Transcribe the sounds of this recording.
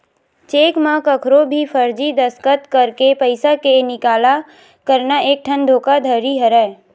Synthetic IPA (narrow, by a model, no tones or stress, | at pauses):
t͡ʃeːkmãkəkʰɾobʱifʰəɾd͡ʒid̪əskət̪kəɾkepəɪsakenɪkaːla | kəɾnaeːk̚ʈʰə̃nd̪ʱoːkad̪ʱəɾiɦəɾɛː